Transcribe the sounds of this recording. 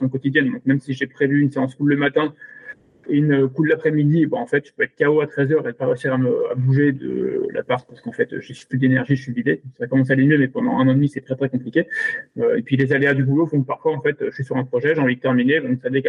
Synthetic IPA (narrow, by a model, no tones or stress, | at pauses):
sɔ̃kɔt̪id̪jɛnd̪ɔ̃k̚mɛmsiʒepχevyːnseɑ̃skulləmat̪ɛ̃ | eynøkullapχɛmid̪ibɛ̃ɑ̃fɛt̪ʒ̥ə̥pøɛt̪χə̥kʲaoat̪χɛzœʁed̪̚paʁeøsiʁaməa̰buʒed̪ə̰lʔa̰paʁt̪paʁsə̥kɑ̃fɛt̪ø̰ʒesy̥plyd̪enɛʁʒiʒəsɥivivesəʁɛkamɑ̃s̬alemjømɛpɑ̃d̪ɑ̰̃ɛ̰̃nɑ̃ed̪misɛt̪χɛt̪χɛkɔ̃plikʲeøḛpɥilezalead̪ybulofɔ̃kəpaʁfwaɑ̃fɛt̪øʒəsɥisyʁɛ̃pχɔʒɛʒeɑ̃vid̪ət̪ɛʁmined̪ɔ̃savek